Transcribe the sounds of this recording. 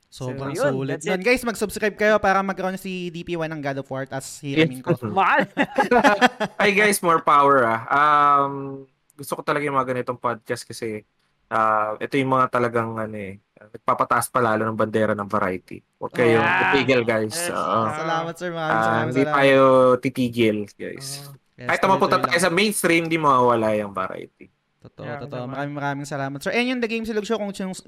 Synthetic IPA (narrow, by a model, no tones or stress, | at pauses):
sobɾɐŋulɪd̪onɡajsmɐɡ̚subskɾajb̚kɐjo̞paːɾɐmɐɡ̚kɐɾonɐsid̪ipiːwanːɐŋɡalofaɹt̪ɐshiɾmɪŋk | ʔɐjɡajsmoɹpawɛɹaʔam | ɡʊst̪okot̪ɐlɐɡajʊŋmɐŋɐɡɐnɪt̪oŋpod̪̚kɐst̪̚kɐsɛ | ʔamʔɛt̪ojʊŋmɐŋat̪ɐlɐɡaŋʔɐnoɛʔɐnɐɡ̚papɐt̪ɐʔɐspɐlaːlonɐŋbɐnd̪ɛːɾɐnɐŋvɐɾʔa̰jt̪ḭ | wɐ̰ɡ̚kːɐjot̪ɪt̪iːɡɛlɡajsʔo̰ːʔoslamɐt̪sɛaahɪnd̪it̪aːjot̪it̪iːɡɪlɡ̥a̰js | kaːhɪt̪nɐmɐpʊnt̪ɐt̪aːjosɐmejnst̪ɾimnd̪imɐwawɐlajɐŋvɐ̰ɾa̰jt̪ḭ | t̪t̪mɐɾaːmɪŋmɐɾaːmɪŋsɐlaːmɐt̪sɛɹʔɛnond̪ɐɡejmsloɡ̚ʃokʊŋt͡ʃɐŋ